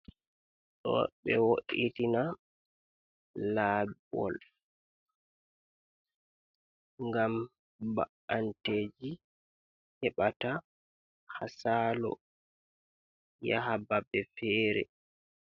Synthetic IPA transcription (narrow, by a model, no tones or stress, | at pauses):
ɗɔ̰ɓɛwoʔitina | laːbɔ̰l | ŋɡam | baʔanteːd͡ʒi | hɛɓata | hasaːlɔ̰ | ja̰ɦababɛfɛːɾɛ̰